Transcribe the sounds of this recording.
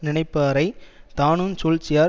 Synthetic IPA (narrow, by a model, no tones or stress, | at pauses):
nɪɳɐɪpːaːɾɐɪt̪aːnunt͡ʃuːlt͡ʃːɪjaːɾ